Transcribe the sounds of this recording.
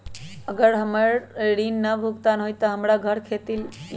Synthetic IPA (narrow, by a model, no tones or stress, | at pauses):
əɡəɾɦəməɾɾinːəbʱuɡt̪anɦojt̪əɦəmɾaɡʱəɾkʰet̪il